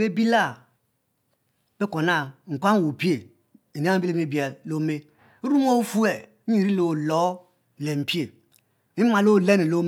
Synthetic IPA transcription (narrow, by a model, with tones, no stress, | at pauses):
be˦bi˦la˦˨ | b̥e˦ko˨na˦ŋ̩˨kʷa˦ŋ˦wo˨pi˦e˨ | i˨ne˦a˦bi˦le˦me˦˨bi˨e˨lo˦me˦ | ɾu˦m˦o˦fu˦e˦˨˦ | i˦˨ɾi˦lo˨lo˨˦˨ | le˨m̩˨pi˦e˨ | i˦ma˨lo˦˨le˦ne˨lo˦m˦